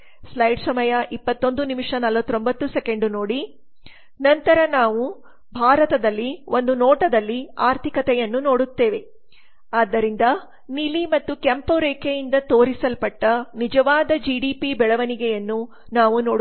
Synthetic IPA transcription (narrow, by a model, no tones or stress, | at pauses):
slɐjɖsɐmɐjɐʔipːɐt̪ːo̞nd̪unimiʂɐnɐlʋɐt̪ːɾo̞mbɐt̪ːuseke̞ɳɖuno̞ːɽi | nɐnt̪ɐɾɐnaːʋu | bʱaːɾɐt̪ɐd̪ɐlːio̞nd̪unoːʈɐd̪ɐlːiaːɾt̪ʰikɐt̪ɛjɐnːuno̞ːɽut̪ːe̞ːʋe̞ | aːd̪ːɐɾind̪ɐ | nilimɐt̪ːukɐmpoɾeːkʰejind̪ɐt̪o̞ːɾisɐlpɐʈːɐnid͡ʒɐʋaːd̪ɐd͡ʒiɖiːpibɛɭɐʋɐniɡɛjɐnːu | naːʋuno̞ːɽ